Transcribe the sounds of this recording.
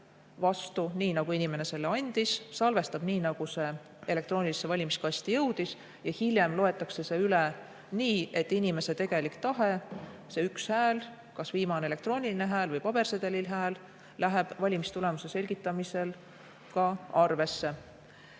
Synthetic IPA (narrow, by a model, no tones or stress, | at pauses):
vɑst̪uniːnɑɡ̥uinʲime̞ne̞se̞lːeɑnʲd̪̥issɑlve̞st̪ɑb̥niːnɑɡ̥use̞ | e̞lek̚t̪ro̞ːnʲilise̞vɑlʲimiskɑst̪ijɤwd̪̥is | jɑhilʲjemlo̞e̞t̪ːˑɑkse̞se̞yle | niːe̞t̪ːinʲime̞se̞t̪e̞ɡ̥e̞likt̪ɑɦe̞se̞ykshæːl | kɑsviːmɑneele̞kt̪ro̞ːnʲiline̞ɦæːlvɤjpɑb̥e̞rsed̪̥e̞lilɦæːl | læɦeb̥vɑlʲimist̪ule̞muse̞se̞lʲɡit̪ːˑɑmise̞l | kɑɑrve̞sːe̞